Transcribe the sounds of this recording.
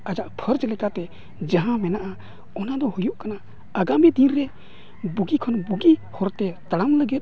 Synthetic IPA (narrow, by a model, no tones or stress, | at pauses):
əd͡ʒaʔpʰəɾd͡ʒlɛkat̪ɛ | d͡ʒaɦãmɛnaʔa | ɔnad̪ɔhujɔʔkana | əɡamid̪inɾɛ | buɡikʰɔnbuɡihɔɾt̪ɛt̪əɽamləɡɛt̪̚